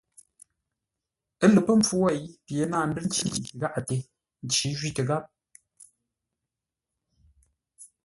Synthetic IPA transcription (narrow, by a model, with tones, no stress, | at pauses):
ə˦le˨pə˦m̩˦p͡fu˦wɛ˦˨jpje˨˦naː˦˨m̩˦bɨ˦n̩˦t͡ʃi˦i˨ɣa˦ʔa˨te˨ | n̩˦t͡ʃi˨˦ʒɥi˦tə˨ɣa˦p̚